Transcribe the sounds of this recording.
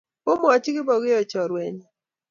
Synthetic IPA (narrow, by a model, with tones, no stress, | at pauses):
po˦m˦ɔ˨t͡ʃɡɪ˦bɔ˨ɡɪ˦ɔ˨t͡ʃɔ˨ɾwɛ˨ɲ˨